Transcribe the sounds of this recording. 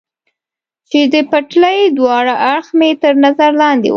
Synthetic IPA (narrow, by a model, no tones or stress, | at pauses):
t͡ʃed̪əpaʈləjd̪wɑɽaʔaɽxmet̪əɾnazaɾlɑnd̪ḛw